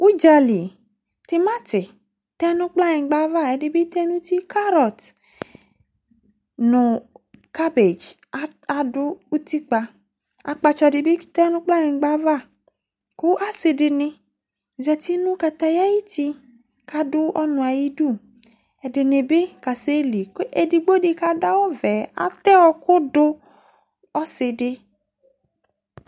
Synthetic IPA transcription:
u˦d͡ʒa˨li˨ | tɪ˦ma˦tɪ˨ | tɛ˦nʊ˦k͡pla˦jɛ̃˨˦ɡ͡ba˦va˦ɛ˨dɪ˨bi˦tɛ˦nu˦ti˦kʰa˦ɾɔ˨t | nʊ˨ka˦be˨d͡ʒ | a˨dʊ˦u˦ti˦k͡pa˧ | a̰˨k͡pa˧t͡ʃɔ˨dɪ˨bi˦tɛ˦nʊ̃˦k͡pla˦jɛ̃˨ɡ͡ba˦va˦˨ | kʊ˦ʔa˦sɪ˨dɪ˨nɪ˨ | zɛ˨ti˦nʊ̃˦ka˨t̪a˨ja˦ji˦ti˦ | ka˨dʊ˦ʔɔ˦nʊ̃˨a˨ji˦du˦˨ | ɛ˨dɪ˨nɪ˨bɪ˦ka˨se˦li˨ke˨dɪ˨ɡ͡bo˦dɪ˨ka˨da˦wɔ˦vɛ˨a̰˨˦tɛ˦ɔ˨kʊ˦dʊ˦ | ɔ˦sɪ˨dɪ˦

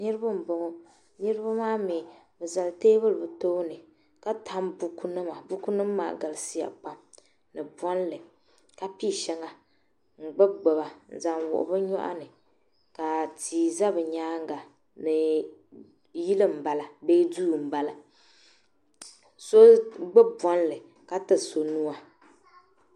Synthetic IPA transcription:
nɨ˦ɾɨ˦ba˦m̩˨bo˨ŋɔ˦ | nɨ˦ɾɨ˦ba˦maː˦mi˨ | bɨ˨za˨lteː˦bɨ˦lɨ˨bɨ˨to˦nɨ˨ | ka˦tʰa˦mbu˨˦ku˦nɨ˦ma˨bu˦ku˦nɨ˦mː˦a̰ː˨ɡa˨lsi˦ja̰˨pa˨m | nɨ˨bɔ˦n˦lɨ˨ | ka˨pi˦˨ʃɛ˨ŋa˨ | ŋ͡m̩˨ɡ͡bɨ˦b̚ɡ͡ba˨ba˨n̩˨za˨ŋwʊ̰˨ʔʊ̰˨bɨ˦ɲɔ̰˦ʔa̰˦nɨ˨ | ka˨tʰiː˨za˦bɨ˨ɲaː˦ŋ˦ɡa˨ | nɨ˨ | ji˦lɨ˦m̩˨ba˨la˨be˦duː˦˨m̩˨ba˨la˨ | so˦ɡ͡bɨ˦bbɔ˦n˦lɨ˨ | ka˦tɨ˦˨so˨nu˦a˨

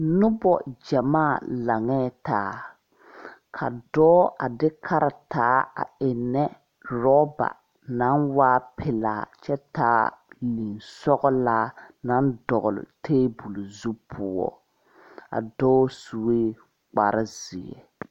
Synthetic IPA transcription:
nʊ˦bɔ˦˨d͡ʒa˨maː˦˨la˨ŋɛː˦taː˨˦ | kʰa̰˨dɔː˦a˨dɪ˦kʰa˦ɾa˨taː˨˦a̰˨ɪ˨nːɛ˦ | ɾɔ˦ba̰˨ | na˦nwaː˦pʰɪ˨la̰ː˨t͡ʃɛ˦taː˦li˨nsɔ˦ɣɔ˦laː˦na˦ndɔ˨ɣʊ˨lʊ̰˨tʰeː˦bu˨lʊ˨zu˦pʰʊ˦ɔ̰˦ | a̰˨dɔː˦su˨weː˦ | k͡pa˨ɾɪ˦z̥ɪ˨ɛ̰˨

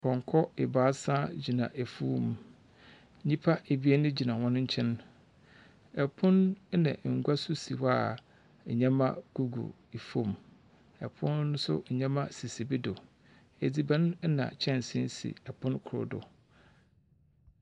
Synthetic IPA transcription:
kʰɔ̃˨ŋ˨kʰɔ˦ɪ˨baː˨˦sã˦d͡ʑi˨nã̰˨ʔe˨fu˦m˨˦ | ɲĩ˦pʰa˦e˨bi˦e˦nʊ̃˦d͡ʑi˨nã˨wɔ̃˦nʊ̃˦ɲ̩˦t͡ɕʰɛ̃˦n | ɛ˨pʰʊ̃˦n˦nã̰˨ʔŋ̩˨ɡʷa˦sʊ˦si˨wa˨ | ɲã˦mã̰˦ɡ̥u˦ɡṵ˨ | i˨fo˦˨m | ɛ˨pʰʊ̃˦nːʊ̃˦sʊ̰˦˨ɲã˦mã˦si˨si˨bi˦dʊ˨ | e˨d͡zi˨bã˦n˦nã̰˨t͡ɕʰɛ̃˦n˨sɪ̰̃˦sḭ˨ɛ˨pʰʊ̃˦nkʰʊ˨ɾʊ̰˨dʊ̰˨

